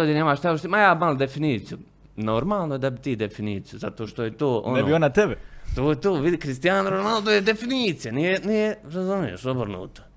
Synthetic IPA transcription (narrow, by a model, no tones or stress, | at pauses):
od̪ineːmaʃt̪ast̪imajaːmalod̪efiniːt̪siju | noɾmaːlˠnoed̪abit̪iːd̪efiniːt̪sijuzat̪oːʃt̪ojet̪oːʔo̰neobionat̪ɛbet̪oːjet̪oːʋid̪ikɾist̪ijaːnɾonalˠd̪ojed̪efiniːt̪sijanijenijeɾazumijḛʃobrnṵːt̪o̥